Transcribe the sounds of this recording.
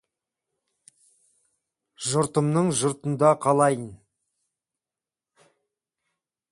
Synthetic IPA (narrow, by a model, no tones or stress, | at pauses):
ʒʊɾt̪əmnəɴʒʊɾt̪ənd̪ɑqʰɑlˠɑjən